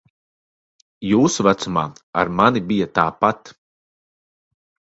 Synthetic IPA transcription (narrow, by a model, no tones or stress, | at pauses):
juːsuvat̪sumaːa̰ɾmanibijat̪aːpat̪